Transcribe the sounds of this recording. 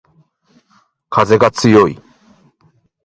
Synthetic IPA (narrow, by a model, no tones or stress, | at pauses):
kʰaze̞ɡat͡sɨjo̞i